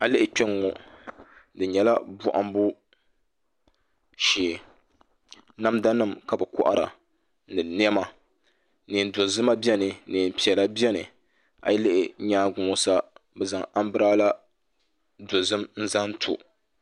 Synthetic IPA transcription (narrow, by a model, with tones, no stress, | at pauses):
a˨lɪ˦ʔɪ˨t͡ʃɛ˦ŋːɔ˨ | dɨ˨ɲɛ˨la˦bʊ˦ʔa̰˦m˦bu˦ | ʃiː˨ | na˦mda˦nɨ˦mka˨bɨ˨kʊ̰˦ʔa̰˦ɾa̰˨ | nɨ˨n˦ɛ˦ma˦ | nɨ˨n̩˨do˨zɨ˦ma˦bi˦ɛ˦nɨ˨nɨ˨m̩˨pi˨ɛ˨la˦bi˦ɛ˦nɨ̰˨ | a̰˨jlɪ˦ʔɪ˨˦ɲaː˦ɡʊ˨˦ɔ˦sa˦bɛ˨za˨ŋa˦m˦bɨ˦ɾaː˦la˦ | do˨zɨ˦mn̩˦za˦n̩˦tʰʊ̰˨